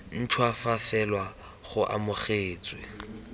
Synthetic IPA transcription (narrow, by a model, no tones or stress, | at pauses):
n̩t͡ʃʰwafafɛlwa | χʊʔa̰mʊχeːt͡sʼwɪ